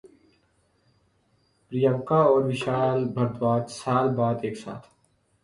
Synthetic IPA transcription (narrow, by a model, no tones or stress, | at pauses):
pɾijə̃mkaɔːɾʋɪʃaːlbʱɐɾd̪waːt͡ʃsaːlbaːd̪eːksa̰ːt̪ʰ